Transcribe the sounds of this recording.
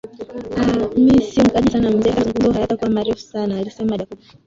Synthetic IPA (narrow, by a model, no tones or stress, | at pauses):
amisim̩kaʄisanam̩zɛkazuŋɡuzɔuhajatakuamaɾɛfu̥sanaːlisɛmaɗaku